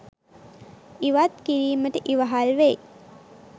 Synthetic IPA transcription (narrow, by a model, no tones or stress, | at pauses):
iʋat̪kiɾiːməʈəʔiʋaɦalʋej